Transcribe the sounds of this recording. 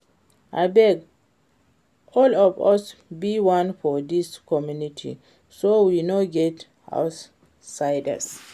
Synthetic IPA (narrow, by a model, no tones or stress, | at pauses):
ʔajbɛɡ | ʔɔlɔvasbiwãnfɔd̪iskʰɔmjunitʰḭ | sowinoɡɛt | ha̰ws | sajda̰s